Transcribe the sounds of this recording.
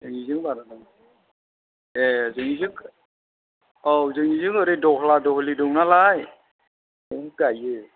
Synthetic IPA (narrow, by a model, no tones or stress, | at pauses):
zɯŋizɯŋbaɾanɯŋ | ezɯŋizɯk | ɔwzɯŋizɯŋɯɾɯdɔhladɔɦʰlidɔŋnalaj | ɯɯɡajɯ